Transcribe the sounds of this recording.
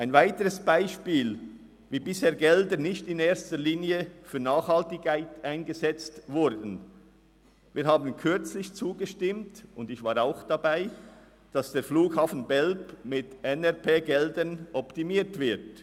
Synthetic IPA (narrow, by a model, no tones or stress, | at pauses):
ʔaɪnvaɪtəʁəsb̥aɪʃpiːl | viːbɪsheːɐɡɛldənɪçtɪneːstəliːniəfyːɐnaːχhɑltɪkkaɪtaɪnɡəzɛt͡stvʊɾdn̩ | viːɾɦaːbn̩kʰʏɾt͡slɪçt͡suːɡəʃtɪmtʊndɪçvaːɾaʊxd̥abaɪ | d̥ɑsd̥eːɾfluːkhaːfn̩bɛlpmɪtʔɛnɛʁpʰeːɡɛldənʔɔptimiːtv̥ɪɾt